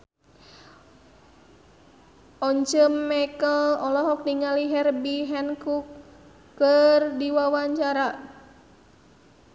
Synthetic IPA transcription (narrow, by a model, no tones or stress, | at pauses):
ʔɔɲt͡ʃəmːɛkəlɔlɔɦɔk̚niŋaliɦɛrbiɦɛnkukː | ərdiwawaɲt͡ʃaɾa